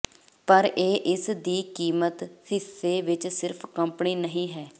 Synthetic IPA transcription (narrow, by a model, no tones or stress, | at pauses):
pəɾʔeːʔɪsd̪iːkiːmət̪hɪsːeːʋɪt͡ʃsɪɾpʰkəmpniːnəɦĩːɦɛː